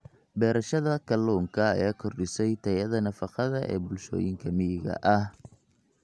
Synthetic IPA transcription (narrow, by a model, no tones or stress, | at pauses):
bɛːɾɐʃɐðɐkʰɐlɔːŋkʰɐ̰ːjaːkʰɔrɗɪsɛjt̪ʰɐjɐðɐnɐfɑqɑðɐʔɛ̰ːbʊlʃɔ̰ːjɪŋkʰɐmɪjɪɣɐ̰ʔɐh